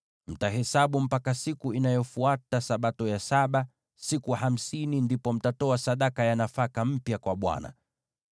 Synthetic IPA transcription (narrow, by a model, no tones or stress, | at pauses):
m̩taɦɛsaɓum̩pakasikuinajɔfuatasaɓatɔjasaɓa | sikuham̩sinindipɔm̩tatɔasaɗakajanafakam̩pjakwaɓwa̰na̰